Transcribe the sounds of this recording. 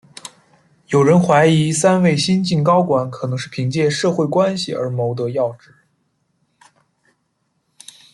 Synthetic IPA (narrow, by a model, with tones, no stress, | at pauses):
jo˨˩ʊɻə˧˥nxwa˧˥ɪi˧˥sa˥nwe˥˩ɪɕi˥nt͡ɕi˥˩nkɑ˥ʊkwa˧˥˦nkʰɤ˨˩nɤ˧˥ŋʂɻ̩˥˩pʰi˧˥ŋt͡ɕjɛ˥˧ʂɤ˥˧xwe˥˩ɪkwa˥nɕi˨ə̰˞˧˥mo˧˥ʊt̪̬ɤ˧˥jɑ˥˧ʊʈ͡ʂɻ̩˥˩